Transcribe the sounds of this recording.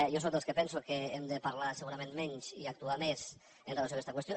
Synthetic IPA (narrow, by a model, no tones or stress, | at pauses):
jos̬ok̪d̪elskəpɛnsukeemd̪əpaɾlasəɣuɾamẽnmɛɲt͡ʃḭak̚t̪uames | ənrelasjoakɛst̪akwəst̪jo